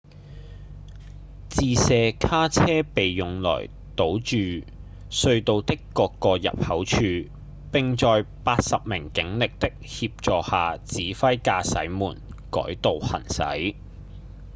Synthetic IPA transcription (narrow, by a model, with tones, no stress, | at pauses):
t͡siː˨˧sɛː˨˧kʰaː˥t͡sʰɛː˥pe˨jjʊ˨˩ŋlɔ̰ː˨˩j | t̪o˨˥wt͡ʃyː˨ | sɵ˧ɥt̪o˨˧wt̪ɪ˥kːɔː˧kːɔː˧jɐ̰˨p̚hɐ˨˥wt͡ʃʰyː˧ | pɪ˨˧ŋt͡sɔː˨jpaː˧t̚sɐ˨p̚mɪ̰˨˩ŋkɪ˨˥ŋlɪ˨k̚t̪ɪ˥k̚hiː˧p̚t͡sɔː˨haː˨t͡siː˨˥fɐ˥jkaː˧sɐ̰˨˥jmuː˨˩nkɔ̰ː˨˥jt̪o˨whɐ̰˨˩nsɐ̰˨˥j